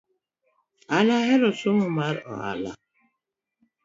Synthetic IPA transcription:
alaɦɛɾosumumaɾɔ̰a̰la̰

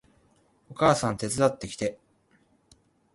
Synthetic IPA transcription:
o̞kaːsãnt̪e̞t͡sɨd̪at̪ːe̞kʲi̥t̪e̞

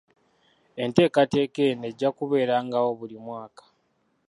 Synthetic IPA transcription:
e̞nte̞ːkate̞ːke̞ne̞ɟːakuβe̞ːɾaŋɡawo̞βulimwaːkḁ

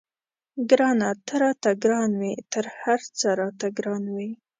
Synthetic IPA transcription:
ɡɾɑnat̪əɾɑt̪aɡɾɑnwit̪əɾhaɾt͡səɾɑt̪aɡɾɑnwi

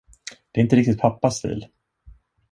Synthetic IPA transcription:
d̪̥ɛːɾɪnt̪əɾɪk̚t̪ɪt̪̚pʰapːast̪ḭːl

